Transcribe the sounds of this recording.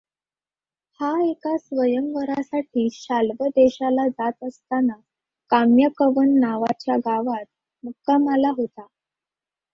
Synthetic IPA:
haekasʋəjəmʋəɾasaʈʰiːɕalʋəd̪eɕalad͡zat̪əst̪ana | kamjəkəʋənːaʋat͡ɕjaɡaʋat̪̚ | mukaməlaɦot̪a

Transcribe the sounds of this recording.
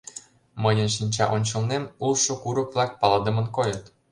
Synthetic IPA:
mɤjɤ̆nʃ̬inʲt͡ɕɑʔonʲt͡ɕɤ̆lnemulʃŏkuɾɤ̆kβlˠɑk̚pɑlɤd̪ə̆mɤ̆nkojɤ̆t̪

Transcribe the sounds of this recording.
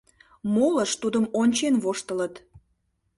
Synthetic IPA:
moləʃt̪ud̪əmonʲt͡ɕenβoʃt̪ələt̪

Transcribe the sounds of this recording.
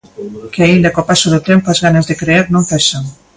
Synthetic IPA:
keaind̪akopasoðot̪empoazɣanazðekɾeeɾnõŋfɛʃaŋ

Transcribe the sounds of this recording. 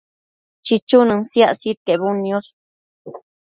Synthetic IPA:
t͡ʃit͡ʃunɨnsjasit̪̚kebunːjoʂ

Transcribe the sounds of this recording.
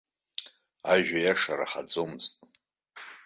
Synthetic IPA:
aʒᶣajaʂaɾa̰ħad͡zomɨztʼ

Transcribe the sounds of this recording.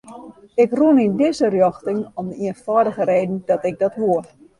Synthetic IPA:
ɪkrunindɪzərjɔxtɪŋɔmdəiənfɔədəɣəɾeːdn̩dɔtɪk̚dɔtʋuər

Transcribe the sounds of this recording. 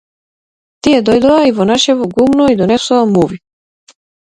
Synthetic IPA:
t̪iɛd̪ɔjd̪ɔaivɔnaʃɛvɔɡumnɔid̪ɔnɛsɔamuvi

